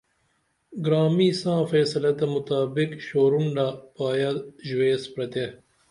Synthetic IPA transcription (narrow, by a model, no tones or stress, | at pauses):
ɡɾaːmiːsãːfeːsɐlɐt̪ɐmʊt̪aːbɪkɕoːɾuɳɖapaːjɐʒweːspɾɐt̪e